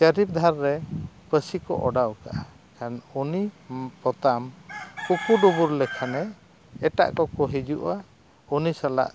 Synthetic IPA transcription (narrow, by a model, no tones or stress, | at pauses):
t͡ʃəɾip̚d̪ʱaɾːɛpəsikɔ̰ʔɔɖawka̰ʔa | kanunipɔt̪amkukuɖubuɾlɛkʰanɛː | ʈa̰ʔkɔkɔɦid͡ʒuʔa | unisala̰ʔ